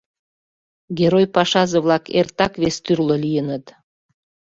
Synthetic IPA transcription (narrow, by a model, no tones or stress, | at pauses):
ɡʲeɾojpɑʃɑzə̆βlɑkḛrt̪ɑkβest̪yrləlijənət̪